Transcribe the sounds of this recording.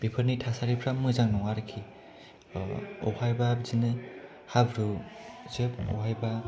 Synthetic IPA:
b̥ipʰəɾnitʰasaɾipʰɾamːɯzaŋnɔwaɾɯkʰi | ɔ̰hajbabzinɯ | habɾuzɯpɔ̰hajba

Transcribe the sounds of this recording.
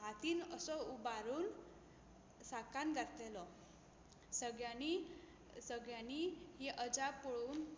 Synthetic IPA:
ɦat̪iːnəsɔubaɾuːn | sakanɡʱaɾt̪lelɔ | səɡjani | səɡɭjaniɦiʔəd͡zapːoɭuːn

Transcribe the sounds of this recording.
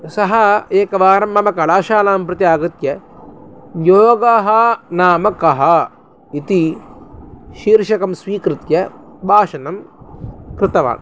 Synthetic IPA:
sɐɦɐeːkɐʋaːɾɐmbɐmɐkɐɭaːʃaːlaːmpɾɨt̪jaːɡɐt̪jɐ | joːɡaɦɐnaːmɐkɐɦɐ | it̪i | ʃiːɾʃɐkɐmsʋiːkɾɨt̪jɐbʱaːʃɐnɐm | kɾɪt̪ɐʋa̰ːm

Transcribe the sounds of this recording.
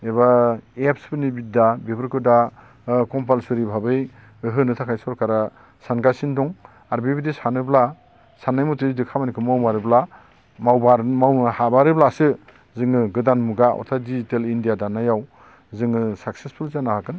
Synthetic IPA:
eβaepspɯnibidabepʰɯɾkʰɯda | kɔmpalsɯɾibʱabɯj | ɦɯnɯtʰakʰajsɔɾkʰaɾa | sanɡasindɔŋ | aɾbibidesanɯbla | sanːajmɔtɯidɯkʰamanikʰɯmawmaɾɯbla | mawbaɾmawnɯhabaɾɯblasɯ | zɯŋɯɡɯdanmuɡaɔ̰ɾtʰadizitelindijadanajaw | zɯŋɯsak̚sespʰulzanahakɯn

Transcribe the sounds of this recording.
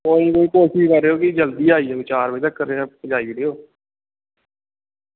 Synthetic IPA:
oːĩkoiːkoːsiːkəɾeːoːkid͡ʒəld̪iːaːiːeːt͡ʃaːɾbəiːt̪əkːəɾeːd͡ʒaːiːʋiːɖiːoː

